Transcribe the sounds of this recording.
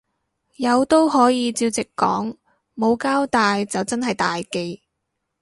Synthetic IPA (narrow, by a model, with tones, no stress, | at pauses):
jɐ˨˧wt̪o˥wɦɔː˨˥jiː˨˧t͡siː˧wt͡sɪ˨kːɔ̰ː˨˥ŋ | mo˨˧wkaː˥wt̪aː˨˧jt͡sɐ˨wt͡sɐ˥nɦɐ˨jt̪aː˨jke˧j